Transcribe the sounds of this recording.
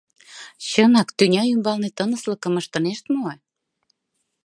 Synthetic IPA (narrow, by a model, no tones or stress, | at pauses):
ɕənɑkt̪ynʲɑymbɑlnet̪ənə̆sləkə̆məʃt̪ɤ̆neʃt̪moe